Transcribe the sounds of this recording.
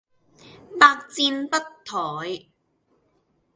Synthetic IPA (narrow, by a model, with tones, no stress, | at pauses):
paː˧k̚t͡siː˧npɐ˥tt̪ʰɔː˨˩j